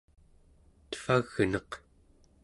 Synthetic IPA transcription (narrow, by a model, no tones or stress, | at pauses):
t̪ə̥faɣnʌq